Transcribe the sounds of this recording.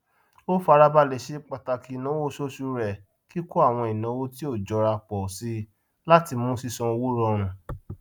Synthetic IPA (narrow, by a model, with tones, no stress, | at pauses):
o˦fa˧ɾa˧ba˧le˨ʃe˨˦k͡pa˧˨ta˧ki˧˨nã˨˦wo˦ʃo˦ʃu˧ɾɛ˨ | ki˦ko˦a˦˨w̃ɔ̃˧i˨nã˨˦wo˦ti˦o˦˨d͡ʒɔ˨˧ɾa˧k͡pɔ˨si˧ | la˦ti˧mũ˦si˧sɔ̃˧o˧wu˦ɾɔ˦˧ɾ̃ũ˨